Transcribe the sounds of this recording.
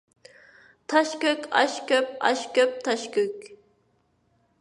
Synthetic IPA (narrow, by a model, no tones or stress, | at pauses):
t̪ʰɑʃkʲøkʲʰɑ̰ʃkʲøp̚ɑ̰ʃkʲøp̚t̪ʰɑʃkʲøkʲ